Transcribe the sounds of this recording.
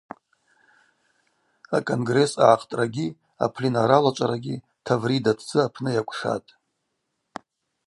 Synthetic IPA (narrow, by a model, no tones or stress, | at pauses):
akʼonɡre̞sa̰ʕaqʰʼtʼraɡʲi | a̰pʰlinaɾalat͡ʃʷʼaɾaɡʲi | tʰavridatʰd͡zɨapʰnɨjakʷʰʼʂa̰tʼ